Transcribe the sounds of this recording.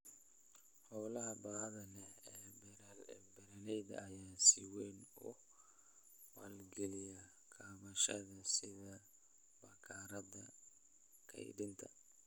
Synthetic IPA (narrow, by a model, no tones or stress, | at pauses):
hɔwlɐɦɐbaːðɐnɛɛbɾbɛɾɐnɛjðɐ̰ːjaːsiwɛːnʊ | wa̰ːlɡɛlɪjɐ | kʰaːmɐʃɐðɐsɪðɐ | bɐkʰaːɾɐðɐ | kʰɐ̰jɖɪnt̪ʰɐ̰